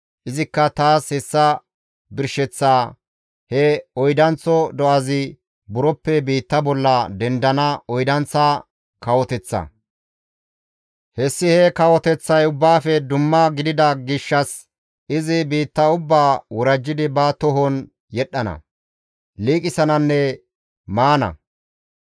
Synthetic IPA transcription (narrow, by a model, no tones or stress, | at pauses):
ʔɪzɪkːɐt̪aːshɛsːɐ | bɪɾʃɛt͡sːaː | hɛɔjd̪ɐnt͡sːɔd̪ɔʔɐzɪ | bʊɾɔpːɛbiːt̪ːɐbɔlːɐd̪ɛnd̪ɐnɐɔjd̪ɐnt͡sːa | kɐwɔt̪ɛt͡sːɐ̰ | hɛsːɪhɛkɐwɔt̪ɛt͡sːɐjʊbːaːfɛd̪ʊmːɐɡɪd̪ɪd̪ɐɡɪʃːɐs | ɪzɪbiːt̪ːɐʊbːaːwɔɾɐd͡ʒːɪd̪ɪbɐt̪ɔɦɔn | jɛɗːɐnɐ̰ | liːkʼɪsɐnɐnːɛ | maːnɐ̰